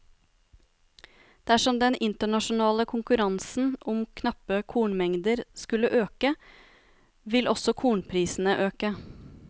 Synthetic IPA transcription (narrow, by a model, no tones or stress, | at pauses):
d̪̥æʂɔmd̪ɛnɪnt̪əɳɑʃʊnɑːləkʰʊŋkʉɾɑnsn̩ʔʊmkʰnɑpːəkʰuːɳmɛŋd̪əɾskʉlːəʔøːkə | ʋɪlʔɔsɔkʰuːɳpʰɾiːsn̩əʔøːkə